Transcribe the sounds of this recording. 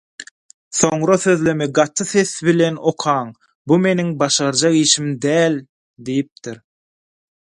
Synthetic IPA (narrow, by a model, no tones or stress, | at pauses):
θo̞ɴɾɑθø̞ðlø̞meɡɑt̪ʰːɯθe̞θβile̞no̞qʰɑːŋ | bume̞niŋbɑʃɑɾd͡ʒɑʁiːʃimd̪æːlʲ | d̪ijip̚t̪iɾ